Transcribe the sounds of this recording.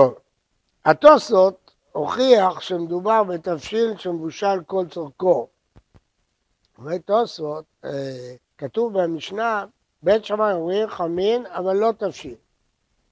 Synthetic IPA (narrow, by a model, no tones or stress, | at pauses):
t̪ov | hat̪osot̪ | hoχiaχʃemed̪ubaʁbet̪afʃilʃemevuʃalko̞lt͡soʁko | uvet̪osot̪̚ | kat̪uvbemiʃna | betʃamajoʁiχaminavalːo̞t̪afʃil